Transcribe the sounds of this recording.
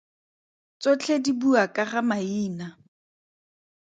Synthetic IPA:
t͡sɔt͡ɬʰedibuakʼaχamaiːna

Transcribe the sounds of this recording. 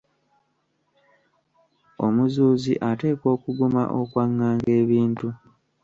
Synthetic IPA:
o̞̰muzuːziʔate̞ːkwo̞ːkuɡuma̰ʔo̞kwaŋːaːŋɡe̞ːβiːntu

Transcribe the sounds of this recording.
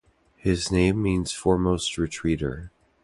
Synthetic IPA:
hɪznẽɪ̃mːĩnz̥fɔɹmoʊst̚ɹitʰɹ̥iɾə̰˞

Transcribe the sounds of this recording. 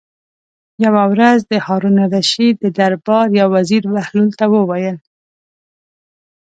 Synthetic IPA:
jawawɾazd̪əhɑɾunaɾaʃid̪əd̪aɾbɑɾjɑwaziɾwahlult̪awəwajəl

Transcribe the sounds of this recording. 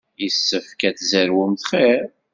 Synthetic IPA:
jəsːəfkæθzəɾwʊmθχeɾ

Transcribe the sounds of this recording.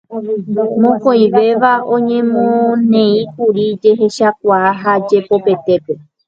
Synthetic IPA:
mõkõj̃ʋe̞ʋaʔõɲẽ̞mõnẽĩkuɾid͡ʒe̞ɦe̞ʃak̚ʷaːɦad͡ʒe̞po̞pe̞t̪e̞pe̞

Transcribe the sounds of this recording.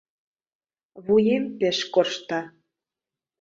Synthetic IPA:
βujempeʃkorʃt̪ɑ

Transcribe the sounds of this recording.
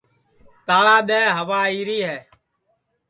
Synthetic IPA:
t̪aːɭaːɗ̪ɛːɦəʋaːiːɾiːɦɛː

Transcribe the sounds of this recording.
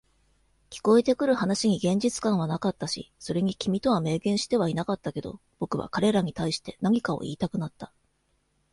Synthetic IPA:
kʲi̥ko̞e̞t̪e̞kɯ̟ɾɯ̟hanaɕiɲ̟iɡẽ̞ɲ̟d͡ʑit͡sɨ̥kãɰ̃β̞anakat̪ːaɕḭso̞ɾe̞ɲ̟ikʲimʲit̪o̞βame̞ːɡẽɰ̃ɕi̥t̪e̞β̞ainakat̪ːake̞d̪o̞̰ | b̥o̞kɯ̟βa̰kaɾe̞ɾaɲ̟it̪aiɕi̥t̪e̞naɲ̟ikao̞̰ʔḭːt̪akɯ̟nat̪ːḁ

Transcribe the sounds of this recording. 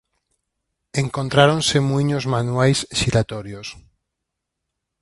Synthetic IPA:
eŋkõnt̪ɾaɾõnsemujɲozmanwajsʃiɾat̪ɔɾjos

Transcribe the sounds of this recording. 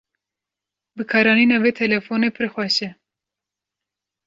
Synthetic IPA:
bɨkʰɑːɾɑːniːnɑːveːt̪ʰɛlɛfoːneːpʰɨrxʷɛʃɛ

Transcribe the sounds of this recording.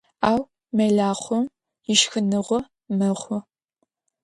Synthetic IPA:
aːw | mɐɮaːχʷɔm | jɪʃxɨnɨʁʷɔ | mɐχʷɔ

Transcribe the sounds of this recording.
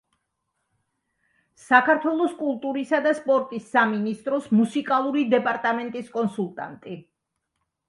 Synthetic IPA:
sakʰaɾt̪ʰwɛlˠɔskʼulˠt̪ʼuɾisad̪aspʼɔɾt̪ʼisːaminist̪ʼɾɔsmusikʼalˠuɾid̪ɛpʼaɾt̪ʼamɛnt̪ʼiskʼɔnsulˠt̪ʼa̰nt̪ʼi

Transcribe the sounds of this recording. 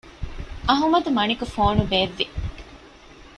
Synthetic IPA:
ʔɐɦumɐd̪umɐnikufoːnuʋeːʋːi

